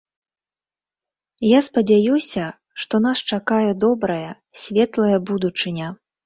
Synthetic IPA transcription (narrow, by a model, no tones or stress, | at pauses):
jaspɐd͡zʲajusʲɐ | ʂt̪ɔnast͡ʂakajɛd̪ɔbɾɐjɐ | sʲvʲɛt̪lˠɐjɐbud̪ut͡ʂɨnʲɐ